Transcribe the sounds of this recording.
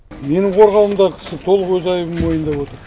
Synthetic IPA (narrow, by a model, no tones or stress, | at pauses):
me̞nɪɴqʰo̞ɾʁɑlˠəmd̪ɑʁəkʲʰɪ̥sɪt̪ʰo̞lˠəʁwɵzɑjəbəmmo̞jənd̪ɑpwo̞t̪əɾ